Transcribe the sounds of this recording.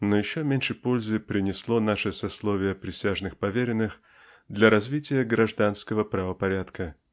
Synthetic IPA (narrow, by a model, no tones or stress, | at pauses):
nojɪɕːomʲenʲʂɨpo̞lʲzɨpɾʲɪnʲɪslˠo̞naʂɨsɐslˠovʲɪjəpɾʲɪsʲaʐnɨxpɐvʲeɾʲɪnːɨx | d̪lʲɐɾɐzvʲitʲɪjəɡɾɐʐd̪anskəvəpɾɐvəpɐɾʲat̪kə